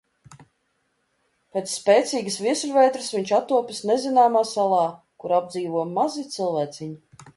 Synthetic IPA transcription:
peːt̪sːpʲeːt̪siːɡəsvʲiɛsʲlʲvʲɛjt̪ɾɨsviɲt͡ʃat̪ːuɔpʲisnezinaːmaːsalˠɑː | kuɾab̚d̪ziːvuɔmazit̪silˠvæːt̪sʲiɲi

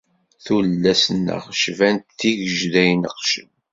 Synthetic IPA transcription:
θulːæsənːə̰ʁʃvænt̪θiʝəʒðæjnəqʃən

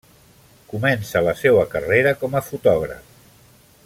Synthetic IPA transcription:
kumɛnsələsewəkəreɾəkɔməfut̪ɔɣ̞ɾə̰f

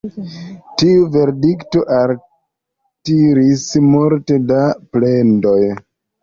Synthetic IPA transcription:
tiuve̞ɾdikto̞ʔal | tiɾismuɾte̞daple̞ndo̞j

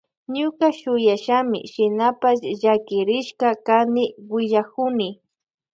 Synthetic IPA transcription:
ɲʊkaʃʊjaʃamɪ̰ʃɪnapasʒakɪɾɪʃkakanɪwɪʎakʊnɪ

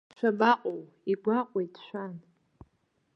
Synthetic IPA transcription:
ʃʷʰabaqʼow | iɡʷaqʷʼejtʰʃʷan

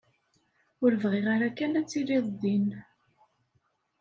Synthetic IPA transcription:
ʊɾəvʁiʁaɾakːænæt͡sːiliðˤd̪ˤin

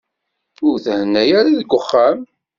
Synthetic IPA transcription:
ʊɾθhənːæjaɾaðəɡʷːʊχːam

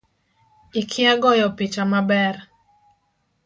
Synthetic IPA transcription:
ikʰɪaɡɔjɔpɪt͡ʃamabɛr

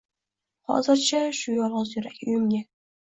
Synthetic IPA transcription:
hɒ̰zɪɾt͡ʃʰaʃʊjɒlˠʁɨzjʊɾakʲʊjɪmɡʲa

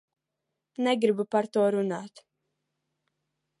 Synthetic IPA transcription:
nɛɡɾibupaɾt̪uɔɾunaːt̪

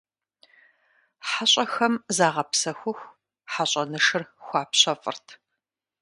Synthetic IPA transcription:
ħaɕʼɐxɐmzaːʁɐpsɐxʷʊxʷ | ħaɕʼɐnɨʂɨrxʷɑːpɕɐfʼɨ̰rtʰ

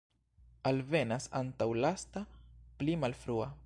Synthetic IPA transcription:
alve̞nasa̰ntawlastaplimalfɾua

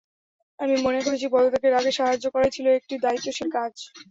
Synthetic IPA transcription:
amimonekoɾet͡ɕʰibɔd̪ot̪ek̬eɾaɡeʃaɦad͡ʑːokɔɾajt͡ɕʰiloek̚ʈid̪ait̪ːoʃeɾkad͡ʑ

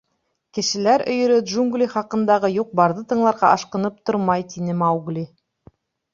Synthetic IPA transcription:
kɘ̆ʃɘ̆læɾɵ̆jɵ̆ɾɵd̪ʒuŋɡlʲiχɑqɤ̆nd̪ɑʁɤjuq̚bɑɾðɤt̪ɤ̆ɴlˠɑɾʁɑʔɑʃqɤ̆nɤp̚t̪oɾmɑjt̪inɘmɑwɡlʲi

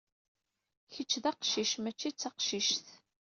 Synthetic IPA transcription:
çət͡ʃːðæqʃiʃmæt͡ʃːit͡sːæqʃiʃθ

